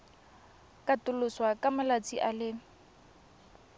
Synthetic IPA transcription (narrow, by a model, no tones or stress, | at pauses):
kʼatʊlʊswakʼamalat͡sʼiʔalɪ